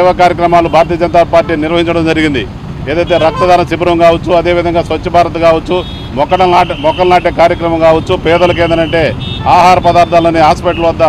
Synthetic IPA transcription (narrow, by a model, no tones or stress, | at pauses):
ʋɐkaːɾjɐk̬ɾɐmaːlubʱaːɾɐt̪ijɐd͡ʒɐnt̪aːpaːɾʈːiːniɾʋɐɦiɲt͡ʃɐɽɐmd͡ʒɐɾiɡind̪i | eːd̪ɐjt̪e̞ːɾɐk̚t̪ɐd̪ʱaːnɐsibɐɾɐmkaːʋɐt͡ʃːuɐd̪e̞ːʋid̪ʱɐŋɡaːsʋɐt͡ʃːɐbʱaːɾɐt̪ɐkaːʋɐt͡ʃːu | mɔkːɐʈɐaːmɔkːɐlɐnaːʈeːkaːɾjɐkɾɐmɐmkaːʋɐt͡ʃːupɛːd̪ɐlɐk̬ɛːnd̪ɐnɐɳʈe̞ːaːɦaːɾɐpɐd̪aːɾt̪ʰaːlɐːniaːspɐʈluʋɐd̪ːaː